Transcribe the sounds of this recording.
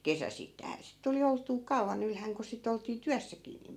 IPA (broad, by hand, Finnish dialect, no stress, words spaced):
kesæsitːæi̯hæ sit tuli oltˑuː kɑu̞ʋɑn ylhæŋ ku sit oltiː tyæsːækiː niːm